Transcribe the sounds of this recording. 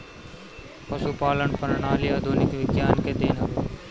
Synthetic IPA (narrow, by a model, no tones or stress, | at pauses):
pɐsupaːləɳpəɾɳaːlɪjaːd̪ʱoːnɪkʋɪɡjaːnked̪eːnaː